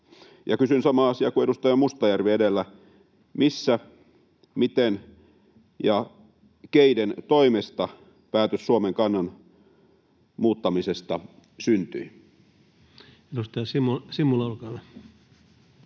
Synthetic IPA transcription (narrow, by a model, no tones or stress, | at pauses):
jɑ̰kysynsɑmɑːɑsiɑkuedust̪ɑjɑmust̪ɑjærʋiedelːæ | misːæ | mit̪en | jɑ | keident̪oimest̪ɑ | pæːt̪øssuomeŋkɑnːɑn | muːt̪ːɑmisest̪ɑ | synt̪y̰i | edust̪ɑjɑsimusimːulɑolkɑlːɑ